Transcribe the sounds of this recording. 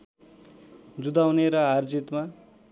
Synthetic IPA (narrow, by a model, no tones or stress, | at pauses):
d͡zud̪awneɾʌɦard͡zit̪ma